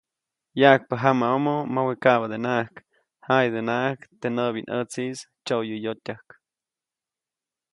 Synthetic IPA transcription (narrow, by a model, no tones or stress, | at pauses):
jaʔk̚paɦamaomomawekaβad̪enaʔak | hajd̪enaʔahkt̪enəbinʔət͡sis | t͡ʃojɨjot̪ʲahk